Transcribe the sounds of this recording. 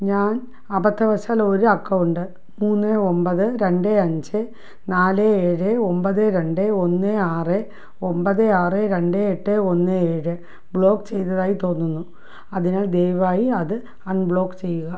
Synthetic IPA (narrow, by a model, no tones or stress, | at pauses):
ɲaːn | ɐbɐt̪ːɐʋɐɕaːlo̞ɾuɐkːɐʋuɳɖɨ | muːnːɨo̞mbɐðɨɾe̞ɳɖɨɐɲd͡ʑɨ | naːlɨeːɻɨo̞mbɐðɨɾe̞ɳɖɨo̞nːɨaːrɨ | o̞mbɐðɨaːrɨɾe̞ɳɖeeʈːɨo̞nːɨeːɻɨ | bɭo̞ːkːt͡ɕe̞jt̪ɐðaːjit̪o̞ːnːunːu | ɐðinaːɭd̪ejʋaːjiɐðɨ | ɐɳbɭo̞ːkt͡ɕe̞jːuɣɐ